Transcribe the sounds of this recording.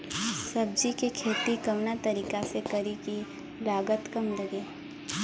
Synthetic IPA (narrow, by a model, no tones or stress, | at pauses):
sɐb̚d͡ʒikekʰeːt̪ikɐmnat̪ɐɾiːkasekɐɾiki | laːɡət̪kɐmd̪əɡi